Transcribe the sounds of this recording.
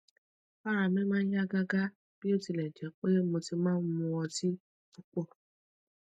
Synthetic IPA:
a˦ɾa˧mɛ̃˦mãː˦a˦ɡa˦ɡa˦ | b̥i˦o˦˨ti˧lɛ˨d͡ʒɛ˨˦k͡pe˦mo˧ti˧mãː˦n̩˦mũ˧ɔ˧ti˦ | u˧k͡pɔ˦˨

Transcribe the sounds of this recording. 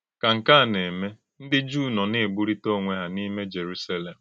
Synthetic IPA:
ka˨ŋ̩˨ka˦a˦˨ne˨me˦ | n̩˦dɪ˦d͡ʒuː˦˨nɔ˨ne˦˨ɡ͡bu˦ɾi˦to˦˨ŋʷe˦ɦa˨ni˦me˦d͡ʒe˨ɾu˦sa˦le˨m̩˨

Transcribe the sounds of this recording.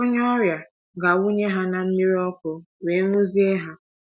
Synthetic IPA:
o˦ɲ˦ɔ˦ɾja˨ | ɡa˨u˦ɲe˦ɦa˦na˨m̩˦mi˦ɾi˦ɔ˦kʊ˨ | we˨˦ŋʷu˦zi˦e˦ɦa˦

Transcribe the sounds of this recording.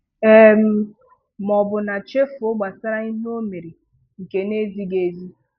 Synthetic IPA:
e˦m̩˦ | mɔ˨bʊ˨na˨t͡ʃe˦fʊ˦ɡ͡ba˨sa˦ɾa˦i˦n˦o˦me˨ɾi˨ | ŋ̩˨ke˨ne˦zi˦ɡe˨zi˦

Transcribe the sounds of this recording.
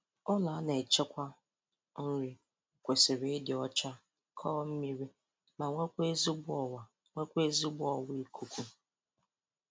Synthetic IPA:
ɔ˦la˨˦ne˨t͡ʃe˦kʷa˦ | n̩˦ɾi˦˨ | kʷe˨sɪ˨ɾe˦dɪ˨ɔ˦t͡ʃa˦ | kʰɔː˦m̩˦mi˦ɾi˦ | ma˨ŋʷe˦kʷe˦zi˦bʊ˦ɔ˨wa˨ | ŋʷe˦kʷe˦zi˦bʊ˦ɔ˨wi˦kʰu˨kʷu˦

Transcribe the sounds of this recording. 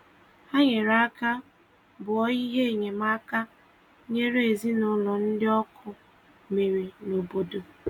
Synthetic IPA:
a˦ɲe˨ɾa˦ka˦ | bʊ˨ɔ˦ɣi˦ɦe˦e˨ɲe˨ma˦ka˦ | ɲe˦ɾe˨zi˦nʊ˦lɔ˨n̩˦dɪ˦ɔ˦kʰʊ˦ | me˨ɾi˨no˨bo˨do˨

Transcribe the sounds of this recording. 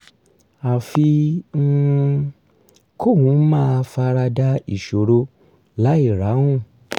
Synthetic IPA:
a˨fi˧˦ | kʰo˦˨wũ˨˦mãː˦˨˧fa˧ɾa˧da˧i˨ʃo˨ɾo˧ | la˨˦i˦˨ɾa˨˦hũ˦˨

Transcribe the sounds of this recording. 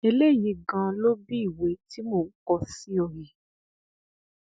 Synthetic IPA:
e˧le˦˨jĩ˧˦ɡã˧lo˦bi˦i˦˨we˨˦ti˦mo˦˨ŋ̩˦kɔ˧si˦ɔ˨ji˨

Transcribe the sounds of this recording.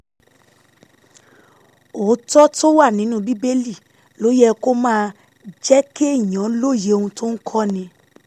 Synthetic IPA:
o˨˦tɔ˦to˦wa˦˨nĩ˨˦nũː˦bi˦be˦li˦˨ | lo˨˦jɛ˦˧ko˦mãː˦˧ | d͡ʒɛ˦ke˦˨ɲɔ̃˨˦lo˦˨je˨˦o˧hũ˧to˦n̩˦kʰɔ˦nĩ˧

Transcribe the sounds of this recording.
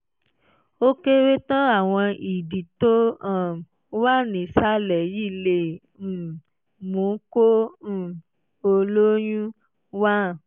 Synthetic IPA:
o˦ke˦we˦tɔ̃˦a˦˨w̃ɔ̃˧i˨di˨to˦ã˨˦ | wa˦nĩ˨sa˦lɛ˨ji˦˨le˦˨ | mũ˨˦kõ˦˨ | o˧lo˦jũ˦ | wa˦˨

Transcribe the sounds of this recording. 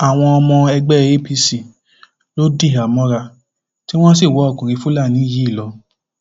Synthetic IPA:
a˨w̃ɔ̃˧ɔ˧mɔ̃˧ɛ˧ɡ͡bɛ˦e˦pi˧˦si˨ | lo˦di˦˨a˨mɔ̃˧˦ɾa˧˨ | ti˦w̃ɔ̃˦si˦˨wɔ˨˦ɔ˧˨kũ˨ɾi˨˧˦fũ˦la˦˨nĩ˨˦ji˨˦i˦˨lɔ˧

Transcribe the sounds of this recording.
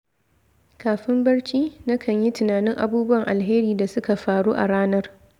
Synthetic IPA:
kaː˨ɸɪ˦mbɐ˦ɽt͡ʃiː˦nɐ˦kʰɐ˨ɲji˦tʊ˨naː˨nɪ˦ŋʔa̰˨buː˦bʊ˦wɐ˨ŋʔa˨lɦeː˦ɾiː˨da˨sʊ˦ka˨ɸaː˨ɽuː˦ʔa̰˨ɽaː˦nɐ˦r

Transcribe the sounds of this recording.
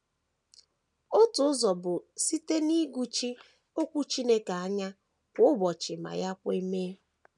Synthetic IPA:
ʊ˦tʊ˨˦zɔ˨bʊ˨si˦te˦ni˦ɡʷu˦t͡ʃi˦ | o˦kʷu˦t͡ʃi˦ne˦ka˨a˦ɲa˦ | kʷʊ˦bɔ˨t͡ʃɪ˨ma̰˨ja˦kʷe˦i˦meː˦

